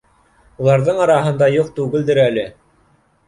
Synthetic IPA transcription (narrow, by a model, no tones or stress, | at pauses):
ulˠɑɾðɤɴɑɾɑɦɤ̆nd̪ɑjuq̚t̪ʉɡɘ̆ld̪ɘɾælɘ